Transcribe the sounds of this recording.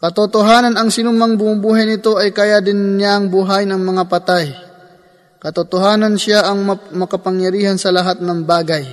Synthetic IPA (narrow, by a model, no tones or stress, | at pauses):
kɐt̪ot̪oɦaːnɐnɐŋsɪnumaŋbʊmʊmbuːɦɐjnɪt̪o̞ʔɐjkɐjad̪ɪnːaŋbʊɦaːjnɐŋmɐŋapɐt̪aj | kɐt̪ot̪oɦaːnɐnʃaʔɐŋmɐkɐpɐŋjɐɾiːhɐnsɐlɐɦat̪̚nɐŋbaːɡɐj